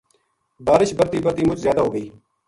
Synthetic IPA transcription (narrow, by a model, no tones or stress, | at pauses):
baːɾɪʃbəɾt̪iːbəɾt̪iːmʊt͡ʃzjaːd̪aːɦoːɡəiː